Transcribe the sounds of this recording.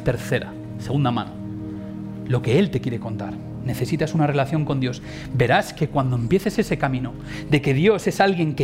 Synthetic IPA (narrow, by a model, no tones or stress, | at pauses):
t̪e̞ɾθe̞ɾa̰ | seɣund̪amã̰no | lo̞ke̞e̞lt̪e̞kje̞ɾe̞ko̞nt̪aɾ | ne̞θe̞sit̪asunare̞laθjo̞ŋko̞nd̪jo̞s | be̞ɾaske̞kwand̪o̞empje̞θe̞se̞se̞kamĩno | d̪e̞ke̞ðjo̞se̞salɣje̞ŋke